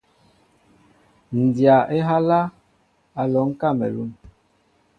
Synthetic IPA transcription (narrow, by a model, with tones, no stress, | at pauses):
n̩˨dja˨ʔe˦ɦa˦la˦ | a˨lɔ˨˦ŋ̩˦ka˦˨mɛ̰˨lṵ˦n